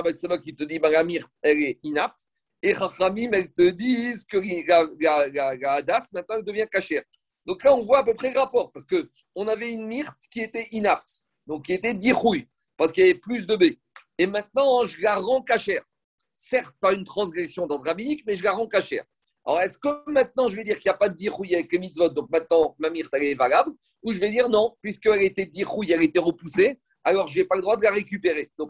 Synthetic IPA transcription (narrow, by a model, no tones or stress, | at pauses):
abasabakit̪əd̪ibɛ̃lamiʁt̪̚ɛlɛinap̚t̪ | eχaχamimɛlt̪əd̪izkəilalalalaːd̪asmɛ̃t̪̚nɑ̃ɛld̪əvjɛ̃kaʃɛːʁ | d̪ɔ̃klaɔ̃vwaːp̬øpχɛləʁapɔʁpaʁsə̥kə | ɔ̃navɛynmiʁt̪kʲiet̪ɛʔinap̚t̪ | d̪ɔ̃k̚kʲːiet̪ɛd̪iχuj | paʁsə̥kijavɛplys̬d̪əbe | emɛ̃t̪̚nɑ̃ʒəlaʁɑ̃kaʃɛːʁ | sɛʁt̪̚paynt̪χɑ̃sɡʁɛsjɔ̃d̪ɑ̃d̪ʁabinikmɛʒəlaʁɑ̃kaʃɛ̰ːʁ | aɔ̰ʁɛskəmɛ̃t̪̚nɑ̃ʒəvɛd̪iʁkiljapad̪əd̪iʁujavɛklemit̪vɔt̪̚d̪ɔ̃k̚mɛ̃t̪̚nɑ̃mamiʁt̪ɛlɛvalabl | uʒəvɛd̪iʁnɔ̃pɥiskəɛlet̪ɛd̪iχujɛlet̪ɛʁəpuse | alɔʁʒepaləd̪ʁwad̪əlaʁek̬ʲypeʁed̪̥ɔ̃k